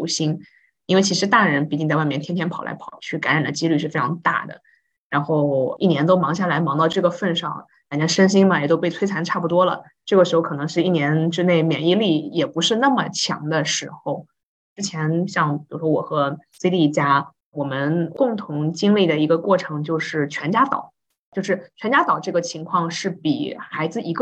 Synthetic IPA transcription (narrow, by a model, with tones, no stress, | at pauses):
u˧˥˩ɕi˥n | i˥nwe˥˩ɪt͡ɕʰi˥ʂɻ̩˧˥t̪a˥˩ɻə˧˥npi˥˩t͡ɕi˥˧ŋt͡sa˥˧wa˥˩ɪmjt̪ʰjɛ˥t̪ʰjɛ˥npʰɑ˨˩ʊlʔa̰˧˥ɑ˨˩ʊt͡ɕʰy˥˩ka̰˧˥nɻa̰˨˩nd̪ə˦t͡ɕi˥ly˥˧ʂɻ̩˥˩fe˥ɪʈ͡ʂʰɑ˧˥ŋt̪a̰˥˩d̪ə̰˩ | ɻa˧˥nxo˥˩ʊi˥˩njɛ˧˥nt̪o˥ʊmɑ˧˥ŋɕja˥˩la˧˥ɪmɑ˧˥ŋt̪ɑ˥˧ʊʈ͡ʂɤ˥˩ɡə˩fə˥˧nʂɑ̰˥˩ŋ | a˨˩nt͡ɕʰɛ˧˥nʂə˥nɕ̬i˥ŋmɐ˨jɛ˨˩t̪o˥ʊpe˥˩ɪt͡sʰwe˥ɪa˧˥nʈ͡ʂʰa˥˩pu˩t̪wɔ˥lə̰˨˩ | ʈ͡ʂɤ˥˩ɡə˩ʂɻxo˥˧ʊkʰɤ˨˩nɤ˧˥ŋʂɻ̩˥˧i˥˩njɛ˧˥nʈ͡ʂɻ̩˥ne˥˩ɪmjɛ˨˩ni˥˧li˥˩jɛ˨˩pu˧˥ʂɻ̩˥˧na˥˩mə˩t͡ɕʰjɑ̰˧˥ŋd̪ə˧ʂɻ̩˧˥xo˧ʊ | ʈ͡ʂɻ̩˥t͡ɕʰjɛ˧˥nɕjɑ˥˩ŋpi˨˩u˧˩ʂwɔ˥wɔ˨˩xɤ˧˥se˥t̪i˥˩t͡ɕja˥ | wɔ˨˩mə˦nkʊ˥˩ŋt̪ʰʊ˧˥ŋt͡ɕi˥ŋli˥˩d̪ə˩i˧˥ɡə˧kwɔ˥˩ʈ͡ʂʰɤ˧˥ŋt͡ɕjo˥˧ʊʂɻ̩˥˩t͡ɕʰɥɛ˧˥nt͡ɕja˥t̪ɑ̰˨˩˦ʊ | t͡ɕjo˥˧ʊʂɻ̩˥˩t͡ɕʰɥɛ˧˥nt͡ɕja˥t̪ɑ˨˩ʊʈ͡ʂɤ˥˩ɡə˩t͡ɕʰi˧˥ŋkʰwɑ˥˧ŋʂɻ̩˥˩pḭ˨˩xa˧˥ɪd͡zɹ̩˧i˧˥ɡ